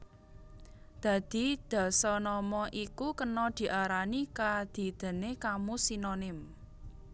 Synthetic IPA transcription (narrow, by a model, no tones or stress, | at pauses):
d̪̥ä̤d̪̥i̤d̪̥ɔ̤sɔnɔmɔʔikukənɔd̪̥i̤ʔaɾanikad̪̥i̤d̪̥ə̤nekamusinonɪm